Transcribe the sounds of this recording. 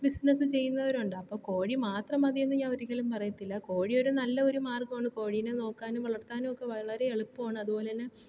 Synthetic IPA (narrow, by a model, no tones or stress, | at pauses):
bisnɐsɨt͡ɕe̞jːunːɐʋɐɾuɳɖɨɐpːoːko̞ːɻimaːt̪rɐmɐðienːɨɲaːnoɾikʲːɐlumpɐrɐjut̪ːilːɐko̞ːɻio̞ɾunɐlːɐo̞ɾumaːrkmaːɳɖɨko̞ːɻijneno̞ːkːaːnumʋɐɭɐrt̪ːaːnumokːe̞ʋɐɭɐɾe̞eɭupːaːɳɨɐðupo̞ːlenɨ